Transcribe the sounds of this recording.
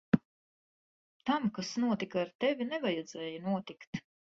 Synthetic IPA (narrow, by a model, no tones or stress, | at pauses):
t̪amkasnuɔt̪ikaːɾt̪ɛvʲinɛvajɛd̪z̥ɛːjanuɔt̪ikt̪